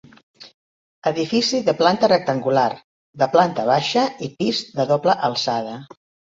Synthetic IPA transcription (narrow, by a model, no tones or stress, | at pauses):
əðifisiðəplant̪ərək̚t̪əŋɡular | ðəplant̪əβ̞aʃəipizðəðopləʔəlˠsað̞ə